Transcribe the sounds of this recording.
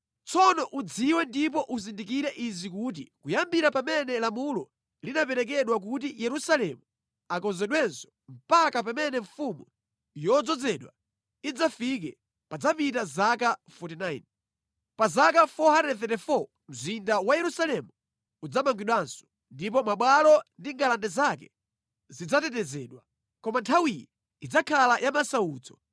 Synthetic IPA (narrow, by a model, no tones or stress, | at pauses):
t͡sɔnɔʔud͡ziwɛndip̬ɔʔuzindik̬iɾɛʔizikut̬ḭkujambiɾapamɛnɛlamulɔ | linapɛɾɛk̬ɛɗwak̬ut̬ijɛɾusalɛmu | akɔnzɛɗwɛnsɔ̥m̩pakapamɛnɛɱfumu | jɔd͡zɔd͡zɛɗwa | id͡zafik̬ɛ | pad͡zapitazakafɔtinajn | pazakafɔhanɛθɛtɛfɔ | m̩zindawajɛɾusalɛmu | ud͡zamaŋɡwiɗwaːnsɔ̥ | ndip̬ɔmaɓwalɔndiŋɡalandɛzakɛ | zid͡zatɛtɛzɛɗwa | kɔmantʰawijɛ | id͡zakʰalajʔamasauːd͡zɔ